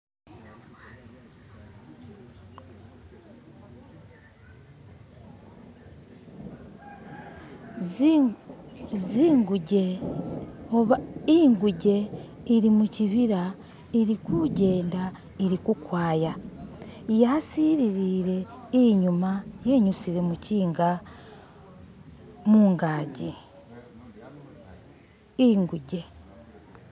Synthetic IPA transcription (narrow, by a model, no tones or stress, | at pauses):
ziːŋɡuɟe | oβaiːŋɡuɟe̞ | iɾimuciβiɾa | iɾikuɟe̞ːnda | iɾikukwaːja | jasiːɾiɾiːɾe̞iɲumaje̞ɲusiɾimuciːŋɡa | muːŋɡaːɟi | iŋɡuɟe̞